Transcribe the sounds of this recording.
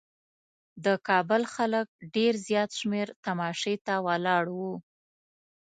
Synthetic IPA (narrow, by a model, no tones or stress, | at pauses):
d̪əkɑbʊlxalək̚ɖeɾzjɑt̪ʃmeɾt̪amɑʃet̪awalɑɽwu